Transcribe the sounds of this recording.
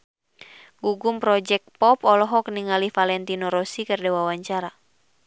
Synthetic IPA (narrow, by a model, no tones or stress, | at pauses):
ɡuɡumpɾɔd͡ʒɛk̚pɔpɔlɔɦɔk̚niŋalihfalɛnt̪inɔɾɔsikɨrdɛwawaɲt͡ʃaɾa